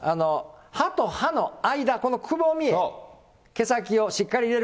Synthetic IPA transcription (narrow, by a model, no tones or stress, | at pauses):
ano̞hat̪o̞hano̞aid̪ako̞nokʰɯ̟boːmʲie | ke̞sak̬ʲio̞ɕikːaɾʲiɾe̞ɾ